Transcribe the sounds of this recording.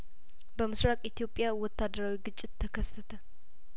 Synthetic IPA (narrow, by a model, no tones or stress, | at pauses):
bəmɨsɾakʼit̪ijo̞pʼjawɔt̪ʰːad̪əɾawiɡɨt͡ʃʼːɪt̪ːʰəkʰəsːət̪ʰə